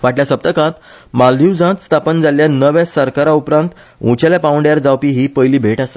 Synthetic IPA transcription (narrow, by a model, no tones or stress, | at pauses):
ʋaʈljasəp̚t̪əkãt̪ | mald̪ʱiwd͡zãt̪st̪ʰapənd͡zaljanəʋɛ̃səɾkaɾaupɾãnt̪ | ũt͡ɕaljapaʋəɳɖjaɾd͡zawpiːɦiːpəjliːbʱeʈase̥